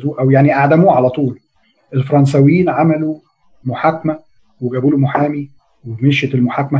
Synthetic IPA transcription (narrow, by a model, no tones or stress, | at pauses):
zuːʔæwjaʕniʔaʕd̪æmuːʕalæt̪ˤuːl | ʔelfɑɾˤɑns̬æwejːiːnʕamælu | moħakːmæ | weɡæbuːlomoħaːmi | wemeʃet̪elmoħakːæmæ